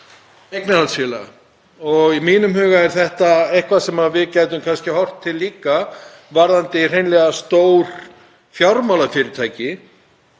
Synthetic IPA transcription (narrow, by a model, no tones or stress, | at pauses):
ejknaalsfila̰ | ɔɣimiːnʏmɦʏːɣaɛɾθɛht̪aejhkvasɛmavɪðcaːjt̪ʏmkʰanscɪhɔr̥t̪ʰːɪlːiːka | vaɾðant̪ɪr̥ejnlɛɣast̪oːwɾ̥ | fjawɾmawlafɪːɾɪɾt̪ʰaːjcɪ